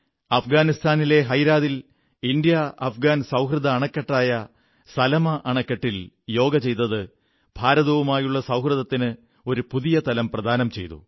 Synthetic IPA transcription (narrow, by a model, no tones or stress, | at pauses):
ɐfɡaːnist̪ʰaːnile̞ɦɐjɾaːðil | ind̪jɐɐfɡaːnsɐwɦrɨðɐːɳɐkːɐʈːaːjɐ | sɐlɐmɐʔɐɳɐkːɐʈːil | jo̞ːɡɐt͡ɕe̞jt̪ːɐðɨ | b̥ʱaːɾɐðoːʋumaːjuɭːɐsɐwhrɨðɐt̪ːinɨ | o̞ɾupuðijɐt̪ɐlɐmprɐd̪ʱaːnɐmt͡ɕe̞jt̪ṵ